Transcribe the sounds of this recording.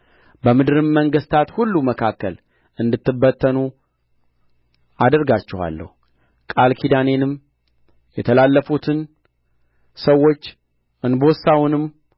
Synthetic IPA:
bəmɨd̪ɨɾɨmːəŋɡɨst̪ʰat̪hulːuməkʰakːəl | ʔɨnd̪ɨt̪ːɨbːət̪ʰːənu | ad̪əɾɡat͡ʃːɛha̰lːə̰hu | kʼalkʰid̪ane̞nɨm | jɛt̪ʰəlalːəfut̪ʰɨn | səwːo̞t͡ʃː | ɨnbosawnɨm

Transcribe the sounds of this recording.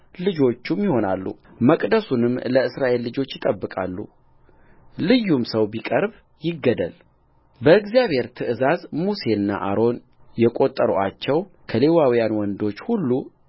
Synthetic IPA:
lɨd͡ʒo̞t͡ʃːumjɪho̞nalːṵməkʼd̪əsunɨmːləɨsɾaʔe̞lːɨd͡ʒo̞t͡ʃːjɪt̪ʼəbːɨkʼalːṵ | lɨjːumsəwbikʼəɾb | jɪɡːəd̪ə̰l | bəɨɡzijaβhe̞ɾt̪ʰɨʔɨzazmuse̞nːa̰ʔaɾo̞n | jɛkʼo̞t̪ʼːəɾuʔat͡ʃːɛwkʰəle̞wawijanwɔnd̪o̞t͡ʃːhulːu

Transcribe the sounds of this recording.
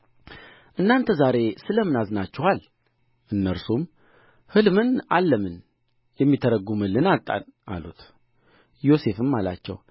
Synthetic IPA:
ʔɨnːant̪ʰəzaɾe̞sɨləmɨnazɨnat͡ʃːɛhal | ʔɨnːəɾsum | hɨlmɨnalːəmɨn | jɛmːit̪ʰəɾəɡumɨlːɨnat̪ʼːa̰nʔa̰lut̪ | jo̞se̞fɨmːala̰t͡ʃːɛ̰w

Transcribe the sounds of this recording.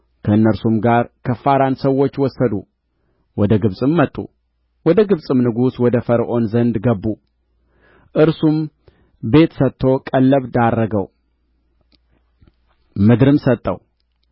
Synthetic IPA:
kʰəɨnːəɾsumɡaɾkʰəfaɾansəwːo̞t͡ʃːwɔsːəd̪u | wɔd̪əɡɨβsʼɨmːət̪ʼːṵ | wɔd̪əɡɨβsʼɨmnɨɡuswɔd̪əfəɾʔo̞nzənd̪ɡəbːu | ʔɨɾsum | be̞t̪sət̪ʰːo̞kʼəlːəβd̪arːəɡəw | mɨd̪ɾɨmsət̪ʼːə̰w

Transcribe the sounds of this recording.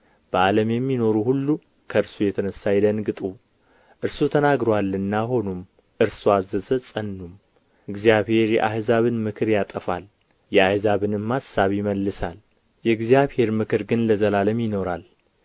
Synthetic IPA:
b̥əʔaləmjɛmːino̞ɾuhulːu | kʰəɨɾsujɛt̪ʰənəsːajɪd̪ənɡɨt̪ʼu | ʔɨɾsut̪ʰənaɡɾoalːɨnːaɦo̞num | ʔɨɾsuazəzəsʼənːum | ɨɡzjaβhe̞ɾjɛ̰ʔahzaβɨnmɨkʰɨɾjat̪ʼəfal | jɛahzaβɨnɨmːasːaβjɪməlːɨsal | jɛɡzijaβhe̞ɾmɨkʰɨɾɡɨnləzəlaləmjɪno̞ɾal

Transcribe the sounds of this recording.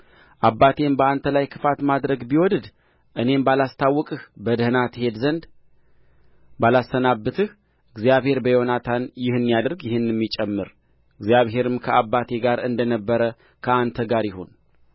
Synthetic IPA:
ʔabːat̪ʰe̞mbəant̪ʰəlajkʰɨfat̪mad̪ɾəɡbiwɔd̪ɨd̪ | ʔɨne̞mbalast̪ʰawːɔkʼɨhbəd̪əhɨnat̪he̞d̪zənd̪ | balasːənabːɨt̪ʰɨh | ʔɨɡzijaβhe̞ɾbəjonat̪ʰanjɪhɨnːijad̪əɾɡjɪhɨnːɛmːit͡ʃʼːɛmːɨɾ | ɨɡzjaβɦe̞ɾɨmkʰəabːat̪ʰe̞ɡaɾɨnd̪ənəbːəɾə | kʰəant̪ʰəɡaɾjɪɦo̞n

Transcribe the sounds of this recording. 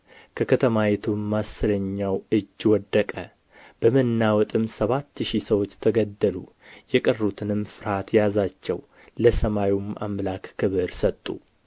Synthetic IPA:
kʰəkʰət̪ʰəmajɛt̪ʰumːasːɨləɲːawɨd͡ʒːwɔd̪ːəkʼə | b̥əmənːawɔt̪ʼɨmsəβat̪ːʃisəwot͡ʃːt̪ʰəɡəd̪ːəlu | jɛkʼərːut̪ʰɨnɨmfɨɾat̪ʰjazat͡ʃːɛ̰w | ləsəmajumʔa̰mlakkɨβɨɾsət̪ʼːṵ

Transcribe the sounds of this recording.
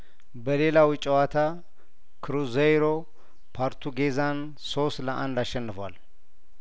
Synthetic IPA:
bəle̞lawɨt͡ʃʼːɛwat̪ʰa | kʰɨɾuzejɾo̞ | pʰaɾt̪ʰuɡezan | sost̪ləʔa̰nd̪aʃːɛnːɨfəwa̰l

